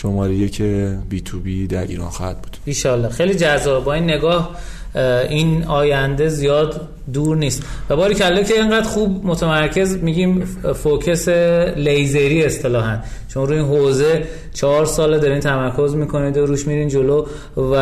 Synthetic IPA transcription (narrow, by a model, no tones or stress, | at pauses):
ʃomɒːɾejecʰebiːt̪ʰuːbid̪æɾʔḭːɾɒ̰ːnxɒːhæ̰d̪̚buːd̪̥iːʃɒːlːɒːxejliːd͡ʒæzːɒːbebɒːiːnːe̞ɡɒːh | inɒːjænd̪e̞zijɒːd̪ | d̪uːɾniːst̪væbɒːɾicælːokcʰeeŋɢæːd̪xubmo̞t̪ʰemæɾcʰe̞zmiːɟiːmfocʰeselejzeɾiːest̪e̞lɒːɦænd̪t͡ʃʰonɾuːiːnɦoze | t͡ʃʰɒɦɒɾsɒːled̪ɒɾiːnt̪ʰæmæɾkʰo̞zmiːkʰo̞nid̪oɾuːʃmiɾind͡ʒo̞lo | væ